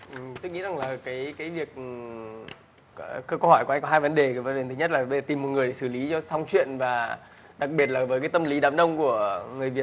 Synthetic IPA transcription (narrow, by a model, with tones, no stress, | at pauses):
ʔt̪o˧jŋḭ˧˥za˨˩ŋlaː˨˩kaː˨˦jkaː˨˦jvi˨˩ək̚ʔ | kəː˧ko˧hɔ˧˩jkŋkɔ˨˦ɦaː˧jvə˨˦nɗe˨˩˨və˨˦nɗe˨˩t̪ʰɨ˨˦ɲə˦˥t̚laː˨˩ɓzəː˨˩t̪i˨˩mːo˨˩t̚ŋɨ˨əjɗe˧˩sɨ˧˩li˨˦t͡ɕɔ˧sa˧wŋ͡mt͡ɕwḭ˧˨ənvaː˨˩ | ɗa˨˩k̚ɓi˨˩ət̚laː˨˩vəː˨˦kaː˨˦jt̪ə˧mli˨˦ɗaː˨˦mɗə˧wŋ͡mku˧˩əŋɨ˨˩əjvi˨˩ət̚